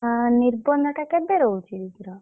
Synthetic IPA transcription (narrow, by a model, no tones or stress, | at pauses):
niɾbɔnɔʈakebeɾowt͡ʃʰiɾikɾa